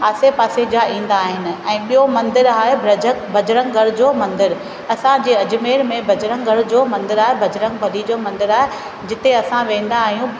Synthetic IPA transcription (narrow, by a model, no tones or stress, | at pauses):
ɦaːsepaːsed͡ʑaĩːn̆d̪aːɦɪnɪ̆ɛ̃ːɓijomɐ̃nd̪ɪɾaːɦebɐəbʱɐd͡ʑɾəŋɡʱɐɽd͡ʑoːmɐ̃nd̪ɪɾ | ɐsãd͡ʑeːɐd͡ʑmeːɾmẽbʱɐd͡ʑɾə̃ŋɡʱɐɽd͡ʑoːmɐ̃nd̪ɪɾaːɦebʱɐd͡ʑɾə̃ŋɡbʱɐlid͡ʑoːmɐ̃nd̪ɪɾaːɦe | d͡ʑɪt̪eɐsãʋẽːn̆d̪aːɦijũ